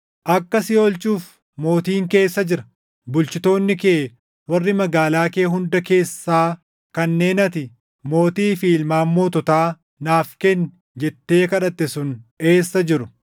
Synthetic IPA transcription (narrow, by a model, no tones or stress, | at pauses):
ʔɐkːɐsɪo̞ːlt͡ʃʼuːf | mo̞ːt̪iːŋke̞ːsːɐd͡ʒɪɾɐ | bʊlt͡ʃɪt̪o̞ːnːɪkeː | wɐrːɪmɐɡaːlaːke̞ːɦʊnd̪ɐke̞ːsːaː | kɐnːe̞ːnɐt̪ɪ | mo̞ːt̪iːfiːlmaːmːo̞ːt̪ɔt̪aː | naːfkɛn | d͡ʒɛt̪ːe̞ːkɐᶑɐt̪ːɛsʊne̞ːsːɐd͡ʒɪɾʊ